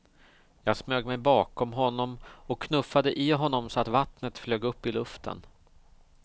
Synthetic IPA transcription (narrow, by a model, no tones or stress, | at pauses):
jɑːɡsmøːɡmɛjbɑːkɔmɦɔnːɔmɔkʰːnɵfːad̪əʔɪɦɔnːɔmsɔat̪vat̪nət̪fløːɡɵpːɪlɵft̪ʰə̰n